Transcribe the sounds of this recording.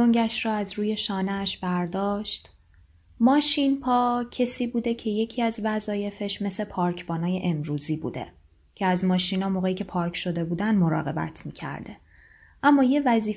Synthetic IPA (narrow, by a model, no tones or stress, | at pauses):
oŋɟæʃrɒːæzɾuːje̞ʃɒːneæʃbæɾd̪ɒːʃt̪ | mɒːʃinpʰɒːcʰe̞siːbuːd̪e̞cʰe̞je̞cʰiːæzvæzɒːje̞fe̞ʃme̞se̞pʰɒːɾcʰbɒːnɒːje̞ʔemɾuːziːbṵːd̪e̞̰ | cʰeæzmɒːʃiːnɒːmoːɣeiːcʰe̞pʰɒːɾkʰʃo̞d̪e̞buːd̪ænd̪mo̞ɾɒ̰ːɣe̞bæ̰t̪ʰmiːcʰæ̰ɾd̪e̞ | ʔæmːɒːje̞væziː